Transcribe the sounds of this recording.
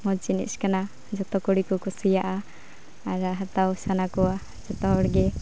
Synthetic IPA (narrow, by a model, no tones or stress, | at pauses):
mɔt͡ʃinḭt̪skana | d͡ʒɔt̪ɔkɔɽikɔkɔsijaʔa | aɾaɦat̪awsanakɔwa | d͡ʒɔt̪ɔɔɽɡɛ